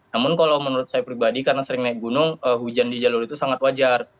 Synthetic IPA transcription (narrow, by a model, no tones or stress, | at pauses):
namʊnkalawmənuɾʊt̪̚sajapɾibadikarnasəɾɪŋnaɪk̚ɡunʊŋəɦud͡ʒandid͡ʒalʊɾit̪usaŋat̪̚wad͡ʒar